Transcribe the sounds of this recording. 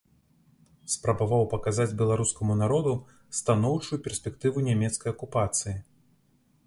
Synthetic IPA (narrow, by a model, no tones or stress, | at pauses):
spɾɐbavawpɐkazad͡zʲbʲɛlˠaɾuskɐmunaɾɔd̪u | st̪anɔwt͡ʂujupʲɛrsʲpʲɛkt̪ɨvunʲamʲɛt̪skɐjɐkupat̪sɨji